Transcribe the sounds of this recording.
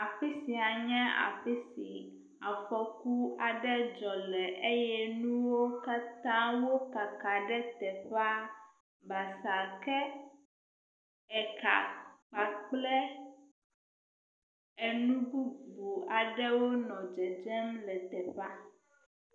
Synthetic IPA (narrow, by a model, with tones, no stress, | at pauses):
a˨fi˦si˨a˨ɲɛ̃˦a̰˨fe˦si˨ | a˨xɔ˨ku˦a˨ɖɛ˦d͡ʒɔ˨lɛ˨ʔe˦jɛ˦nũ˦wo˦ka˦t̪ã˦wo˦ka˨ka˨ɖɛ˦t̪ɛ˨ɸa˦ | ba˨sa˨kɛ˦ | ɛ˨ka̰˨k͡pa˨k͡plɛ˦ | e˨nũ˦bu˦bu˨a˨ɖɛ˦wo˦nɔ̃˨d͡ʒɛ˨d͡ʒɛ˦mlɛ˨t̪ɛ˨ɸa˦